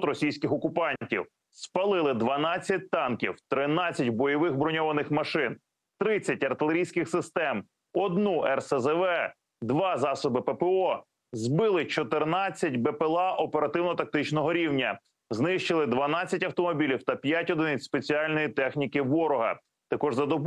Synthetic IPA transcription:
t̪ɾɔsʲijsʲkɪxɔkʊpɑnʲtʲiw | spɐlˠɪlˠɪd̪ʋɐnɑt͡sʲːɐt̚ʲt̪ɑnkʲiwt̪ɾɪnɑt͡sʲːɐtʲbɔjɔʋɪxbɾɔnʲɔʋɐnɪxmɐʃɪn | t̪ɾɪt͡sʲːɐt̚ʲɐrt̪ɪlˠeɾʲijsʲkɪxsɪst̪ɛm | ɔd̪nuʔɛrsɛzɛʋɛ | d̪ʋɑzɑsɔbɪpɛpɛɔ | zbɪlˠɪt͡ʃɔt̪ɪrnɑt͡sʲːɐtʲbɛpelˠɑʔɔpeɾɐt̪ɪwnɔt̪ɐk̚t̪ɪt͡ʃnɔɦɔɾʲiwnʲɐ | znɪʃt͡ʃɪlˠɪd̪ʋɐnɑt͡sʲːɐtʲɐwt̪ɔmɔbʲilʲiwt̪ɐpʲjatʲɔd̪ɪnɪspet͡sʲiɑlʲnɔjit̪ɛxnʲikɪʋɔɾɔɦɐ̰ | t̪ɐkɔʒzɐd̪ɔb

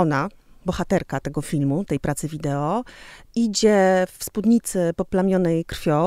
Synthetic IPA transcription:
ɔnabɔxat̪ɛɾkat̪ɛɡɔfʲilmut̪ɛjpɾat̪sɘvʲid̪ɛɔ | id͡ʑɛfspud̪ɲit̪sɘpɔplamʲjɔnɛjkɾfʲjɔ

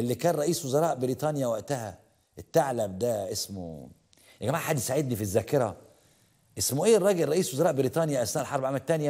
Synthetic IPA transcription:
ʔelːikæːnɾˤɑʔiːswozɑɾˤɑːʔbɪɾiːt̪ˤɑnjæwæʔt̪æhæ̰ | ʔet̪ːaʕlæbd̪æʔesmo̰ | ɡæmaːʕħad̪jesaʕed̪nifizːæːkeɾˤɑ | ʔesmoʔeːrˤːɑːɡelˤːɑʔiːswozɑɾˤɑːʔbɪɾiːt̪ˤɑːnjæʔæsnæːʔlħɑɾˤbaʕamæt̪ːænjæ

